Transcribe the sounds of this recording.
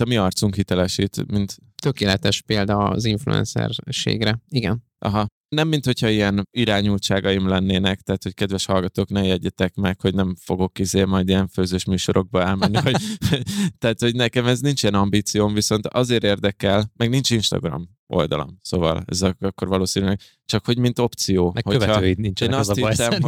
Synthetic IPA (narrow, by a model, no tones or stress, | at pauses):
ɒmiɒrt̪suŋkɦit̪ɛlɛʃiːt̪mint̪ | t̪økeːlɛt̪ɛʃpeːld̪ɒziɱflṵɛ̰nsɛ̰rʃḛːɡɾɛiɡɛn | ʔɒ̰ɦɒ | nɛmːint̪ho̞chɒijɛniɾaːɲult͡ʃaːɡɒjimlɛnːeːnɛk̚t̪ɛːt̪ho̞ckɛd̪vɛʃhɒlɡɒt̪oːknɛmjɛɟːɛt̪ɛkmɛkho̞ɟnɛɱfo̞ɡo̞kizeːmɒjd̪ijɛɱføːzøːʃmyːʃo̞ɾo̞ɡ̚bɒɛlmɛnːiɦo | t̪ɛːt̪ho̞ɟnɛkɛmɛznint͡ʃijɛnɒmbiːt̪sijoːmviso̞nt̪ɒzeːɾeːrd̪ɛkɛlmɛɡnint͡ʃinʃt̪ɒ̰ɡrɒ̰m | o̞̰ld̪ɒ̰lo̰msoːvɒ̰lɛ̰zɛɒkːo̞ɾvɒloːsinylɛɡ | t͡ʃɒkho̞ɟmint̪o̞pt̪sijoːmɛhoøɛɒøːit̪nint͡ʃɛeːnɒshisɛm